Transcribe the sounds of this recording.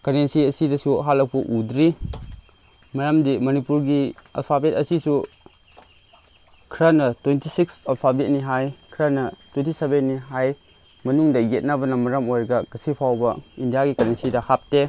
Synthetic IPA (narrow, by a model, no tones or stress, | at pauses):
kɐɾensiɐsidɐsuɦalːɐk̚pɐʔudɾi | mɐɾɐmdimɐnipuɾɡia̰lpʰabetɐsisu | kʰɾɐnɐtwentisiksalpʰabet̚niɦajkʰɾɐnɐtwentisebenːiɦaj | mɐnuŋdɐɡet̚nɐbɐnɐmɐɾɐmojɾɡɐɡɐsipʰawbɐindijaɡikɐnensidɐhap̚te